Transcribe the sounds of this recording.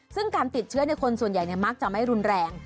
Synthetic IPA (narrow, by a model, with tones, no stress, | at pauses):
sɯ˥˩ŋkaː˧nt̪i˨˩t̪̚t͡ɕʰɯ˦˥ɐna˧jkʰo˧nsu˨˩ənja˨˩jni˥˩ɐma˦˥k̚t͡ɕa˨˩ma˥˩jɾu˧nɾɛː˧ŋ